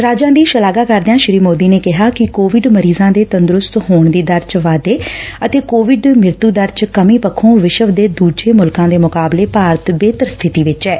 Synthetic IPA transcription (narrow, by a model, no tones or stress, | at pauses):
ɾaːd͡ʒãːd̪iːʃəlaːɡaːkəɾd̪eãːʃɪɾiːmoːd̪iːneːkɪɦaːkɪkoːʋɪɖməɾiːzãːd̪eːt̪ənd̪ɾʊst̪hoːɳd̪iːd̪əɾt͡ʃʋaːd̪eːət̪eːkoːʋɪɖmɪɾt̪uːd̪əɾt͡ʃkəmĩːpəkʰõːʋɪʃəʋd̪eːd̪uːd͡ʒeːmʊlkãːd̪eːmʊkaːbleːpaːɾət̪beːt̪əɾst̪ʰɪt̪iːʋɪt͡ʃɛː